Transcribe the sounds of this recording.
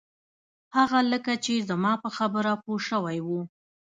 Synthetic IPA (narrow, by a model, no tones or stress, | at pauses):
haɣaləkat͡ʃezəmɑpəxabəɾapoʃəwajwu